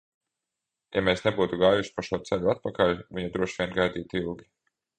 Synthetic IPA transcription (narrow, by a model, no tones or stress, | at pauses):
jameːsnɛbuːt̪uɡaːjuʃi̥paʃuɔːt̪sɛʎuat̪̚pakalʲviɲad̪ɾuɔʃvʲiɛnɡajd̪iːt̪ilˠɡʲi